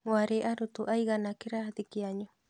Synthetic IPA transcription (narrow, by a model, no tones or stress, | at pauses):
waɾeʔaɾut̪uʔajɡanakiɾaad̪ikiaɲo